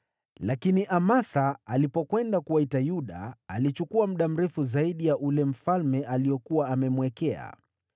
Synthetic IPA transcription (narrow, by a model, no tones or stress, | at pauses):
lakiniʔamasaalipɔkwɛndakuwaitajuɗa̰ːlit͡ʃukuam̩ɗam̩ɾɛfuzaiɗijaʔulɛm̩falmɛʔalijɔkuwaːmɛmwɛkɛa̰